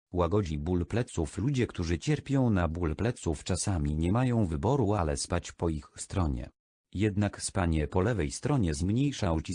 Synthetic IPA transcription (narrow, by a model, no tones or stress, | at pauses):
waɡɔd͡ʑibulplɛt̪suflud͡ʑɛkt̪uʐɘt͡ɕɛɾpʲjɔ̃w̃nabulplɛt̪suft͡ʂasamʲiɲɛmajɔ̃w̃vɘbɔɾualɛspat͡ɕpɔixst̪ɾɔɲɛ̰ | jɛd̪nakspaɲɛpɔlɛvɛjst̪ɾɔɲɛzmɲejʂaɔwt͡ɕi